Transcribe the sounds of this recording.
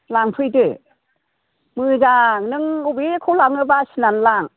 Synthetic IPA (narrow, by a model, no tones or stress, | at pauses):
laŋpʰɯjdɯ | mɯzaŋnɯŋubikʰulaŋɯbasinanlaŋ